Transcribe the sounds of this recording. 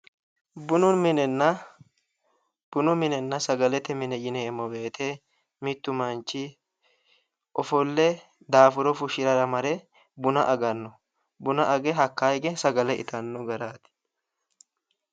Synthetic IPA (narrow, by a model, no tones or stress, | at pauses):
bʊnʊnmɪnɛnːɐ | b̥ʊnʊmɪnɛnːɐsɐɡɐlɛt̪ːɛmɪnɛjɪnɛːmːɔbe̞ːt̪ʰɛ | mɪt̪ːʊmɐnt͡ʃːɪ | ʔɔfɔlːɛ | d̪aːfʊɾɔfʊʃɪɾɐɾɐmɐɾɛ | bʊnɐʔɐɡɐnːɔ | bʊnɐʔɐɡɛɦɐkːajɡɛsɐɡɐlɛʔɪ̰t̪ɐnːɔɡɐɾaːt̪ɪ̥